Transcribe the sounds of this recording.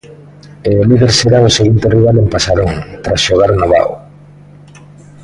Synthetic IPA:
emiβeɾseɾaoseɣunt̪eriβalempasaɾoŋt̪ɾasʃoɣaɾnoβa̰o̰

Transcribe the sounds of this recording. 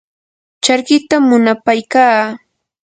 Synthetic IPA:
t͡ʃaɾkɪt̪amːʊnapajkaː

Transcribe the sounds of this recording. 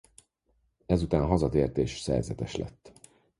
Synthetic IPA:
ɛzut̪aːnɦɒzɒt̪eːrt̪eːʃsɛ̰rzɛt̪ɛʃlɛ̰t̪ː

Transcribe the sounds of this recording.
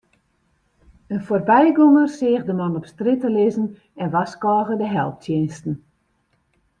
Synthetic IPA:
ənforbɛjɡoŋərsɪːɣdəmanɔpstritəlɪzən | ɛnʋaskɔːɣədəɦɛlˠp̚tʰjenstn̩

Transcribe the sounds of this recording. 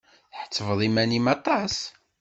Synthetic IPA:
θħə̥t͡sːəvðˤimænimɑt̪ˤɑs

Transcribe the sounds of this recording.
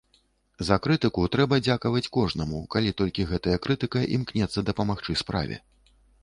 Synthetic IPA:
zɐkɾɨt̪ɨkut̪ɾɛbɐd͡zʲakɐvɐt͡sʲkɔʐnɐmukalʲit̪ɔlʲkʲiɣɛt̪ɐjɐkɾɨt̪ɨkɐʔimknʲɛt̪sːɐd̪ɐpɐmaxt͡ʂɨspɾa̰vʲɛ̰

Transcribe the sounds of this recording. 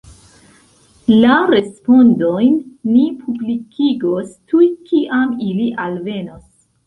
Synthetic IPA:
laɾe̞spo̞ndo̞jnːipʰublikʰiɡostujkiʔamiliʔalve̞no̞s

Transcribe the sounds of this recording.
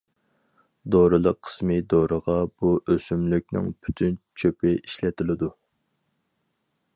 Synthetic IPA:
d̪oɾɨlˠəqʰːə̥smɨd̪oɾəʁɑb̥uʔøsymlyk̚ʲnɪ̰ŋpʰy̥t̪ʰynt͡ʃʰøpɪʔiʃlɛt̪ʰɪlɪd̪u

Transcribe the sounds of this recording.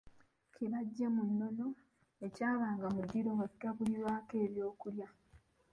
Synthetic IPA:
kʰiβaɟːemunːo̞no̞ | e̞caːβaːŋɡamud̪ːiɾomasiɡaβuliβaːke̞ːβjo̞ːkulja

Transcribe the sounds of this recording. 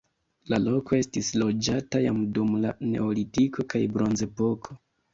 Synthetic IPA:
lalo̞ko̞e̞stislo̞d͡ʒataja̰mdumlane̞̰olitikʰo̞kajbɾo̞nze̞po̞kʰo

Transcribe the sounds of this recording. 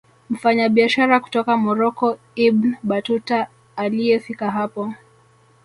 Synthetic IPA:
m̩faɲaɓiaʃaɾaku̥tɔkamɔɾɔkɔ | ibnɓatutaː | liɛfikaɦapɔ

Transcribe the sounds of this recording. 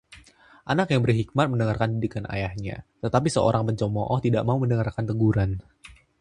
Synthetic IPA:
ʔanakjaŋbərɦik̚mat̪̚məndəŋarkandidikanʔa̰jahɲa̰t̪ət̪apisəo̰ɾaŋpəɲt͡ʃɔmɔʔɔht̪idaʔmauməndəŋarkant̪əɡuɾan

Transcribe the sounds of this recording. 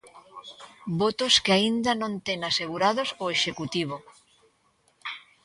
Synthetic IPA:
bot̪oskeaind̪anõnt̪eŋaseɣuɾaðosoeʃekut̪iβ̞o

